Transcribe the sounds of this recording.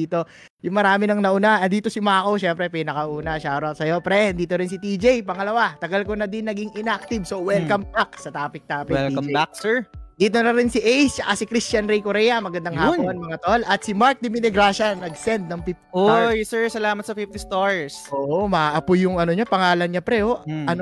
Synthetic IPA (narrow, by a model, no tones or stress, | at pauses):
iːt̪o̞ | jʊŋmɐɾaːmɪnɐŋnɐʔʊnaʔɐnd̪iːt̪o̞sɪmaːkowʃɛmpɾɛpinɐkɐʔuːnɐʃaːɾosɐjopɾɛnd̪iːt̪oɾɪnsɪt̪id͡ʒejpɐŋɐlɐwat̪ɐɡɐlkonɐd̪ɪnːɐɡiŋʔɪnak̚t̪ɪbsowɛlkɐmbak̚sɐt̪aːpɪk̚t̪aːpɪɛlkɐbak̚sɛɹd̪iːt̪onɐɾɪnsiʔejst͡ʃɐkasikɾist͡ʃɐnɾɛjkoɾɛjɐmɐɡɐnd̪ɐŋhaːponmɐŋat̪olʔɐt̪̚sɪmaɹk̚d̪ɪmɪnɛɡɾaːʃɐnɐɡsɛnd̪̚nɐŋpip̚t̪ɪojsɛɹsɐlaːmɐt̪sɐpip̚t̪ɪst̪oɹsʔoʔomɐaʔɐpʊjʊŋɐnoɲopɐŋaːlɐnɲɐpɾɛoʔɐn